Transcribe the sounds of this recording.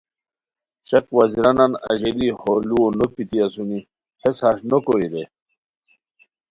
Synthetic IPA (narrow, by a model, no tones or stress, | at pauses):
t͡ɕɐkwɐziɾananɐ̰ʑeliholuonopit̪iasuni | heshaɕnokoɾiɾe